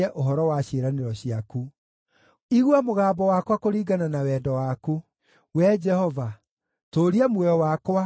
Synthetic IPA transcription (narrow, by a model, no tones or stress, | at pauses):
ɛʔoɦɔɾɔwaɕeɾaneɾɔɕiaku | iɣwamoɣaːmbɔwakwakoɾiːɡananawɛːdɔwaku | wɛd͡ʒɛhɔva | toːɾiamwɔjɔwakwa